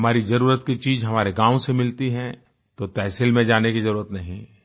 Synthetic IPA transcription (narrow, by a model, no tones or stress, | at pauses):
ɦɐmaːɾizɐɾuːɾət̪kit͡ʃiːzɦɐmaːɾeɡãːõsemɪlt̪iɦɛ̃ | t̪ot̪ɛːsɪlmẽd͡ʒaːnekizɐɾuːɾət̪nɐɦĩ